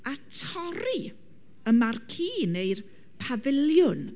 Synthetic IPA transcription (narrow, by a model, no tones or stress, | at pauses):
atʰɔɾi | əmarkʰiːnejr | pʰavɪlˠjʊn